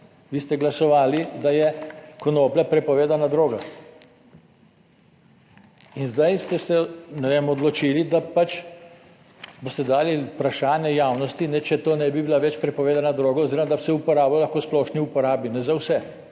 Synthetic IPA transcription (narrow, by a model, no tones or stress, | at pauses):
ʋiːst̪ɛɡlasɔʋaːlid̪ajɛkɔnoːplʲapɾɛpɔʋeːd̪anad̪ɾoːɡa | inzd̪ajst̪ɛsɛnɛʋeːmɔd̪lɔt͡ʃiːlid̪apat͡ʃ | bost̪ɛd̪aːlipɾaʃaːnjɛjawnɔst̪inɛt͡ʃɛt̪oːnɛbibilaʋɛt͡ʃpɾɛpɔʋeːd̪anad̪ɾoːɡaoziːɾɔmad̪asɛupɔɾaːbalaxkoːsplɔʃniupɔɾaːbinɛzawsɛ